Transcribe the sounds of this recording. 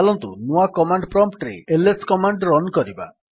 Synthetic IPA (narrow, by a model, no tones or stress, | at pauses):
lɔnt̪ṵnuakɔmaɳɖpɾɔmp̚ʈɾḛeleskɔmaɳɖɾɔnkɔɾiba̰